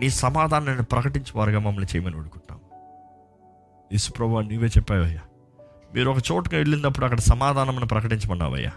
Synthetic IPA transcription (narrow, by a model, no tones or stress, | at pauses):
niːsɐmaːd̪ʱaːnɐmenːupɾɐkɐʈiɲt͡ʃɐʋaːɾɐɡaːmɐmːɐɭɐnit͡ʃɛːjɐmɐnioɽukuɳːa̰ːm | esu̥pɾɐbʱuʋaːnniːʋeːt͡ʃɛpːaːjɐjːaː | miːɾuɔkɐt͡ʃoːʈɐkaeɭːind̪ɐpːuɽuɐkːɐɽɐsɐmaːd̪ʱaːnɐmɐnipɾɐkɐʈiɲt͡ʃɐmɐnːa̰ːʋɐ̰jːa̰ː